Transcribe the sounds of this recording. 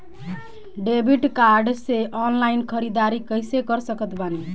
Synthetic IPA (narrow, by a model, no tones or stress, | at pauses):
ɖebʱiʈkaɾɖseʔɔnlainkʰəɾid̪aɾikəjsekəɾsəkət̪bani